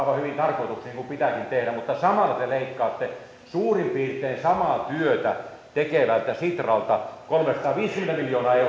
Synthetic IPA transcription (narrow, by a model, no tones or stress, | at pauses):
ʋɑhyʋint̪ɑrkoit̪uksiːnŋkumpit̪ækint̪ehɾæmut̪ːɑsɑmɑlːɑt̪eleikːɑːt̪ːe | suːrimpiːrt̪ˑeːnsɑmɑːˑt̪yøt̪æt̪ekeʋælt̪æsit̪rɑlt̪ɑkolmesɑ̥t̪ɑːʋiːskymːent̪æmiljoːnɑːe